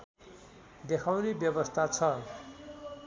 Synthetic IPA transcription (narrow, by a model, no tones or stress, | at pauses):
d̪ekʰawnebjʌbʌst̪ʰat͡sʰʌ